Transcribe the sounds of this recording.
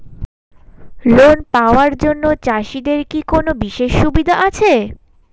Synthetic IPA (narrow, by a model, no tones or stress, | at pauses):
lonpaoaɾd͡ʑonːot͡ɕaʃid̪eɾkikonobiʃeʃːubid̪ʱaʔat͡ɕʰe